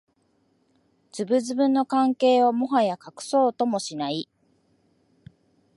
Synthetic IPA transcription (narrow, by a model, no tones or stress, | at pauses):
d͡ʑɨbɯ̟zɨbɯ̟̃nːo̞kãŋke̞ːomo̞ɦajakakɯ̟̥so̞ːt̪o̞mo̞ɕinai